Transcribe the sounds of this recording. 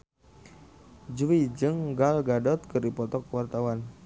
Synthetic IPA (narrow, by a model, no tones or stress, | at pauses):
d͡ʒuwid͡ʒɨŋɡalɡadɔt̪̚kɨrdipɔt̪ɔkwart̪awan